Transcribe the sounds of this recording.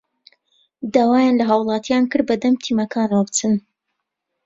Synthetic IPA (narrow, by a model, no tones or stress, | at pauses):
d̪aːwaːjaːnlɐɦaːwlˠɑːt̪ʰjaːnkɨɾ̚bɐd̪ɐmt̪ʰimɐkʰaːnwɐbt͡sɨn